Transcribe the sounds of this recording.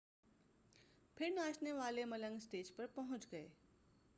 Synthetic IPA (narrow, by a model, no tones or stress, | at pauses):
pʰɪɾnaːt͡ʃneʋaːlemɐlə̃ŋɡsʈeːd͡ʒpɐɾpɐɦʊ̃t͡ʃɡɐḛː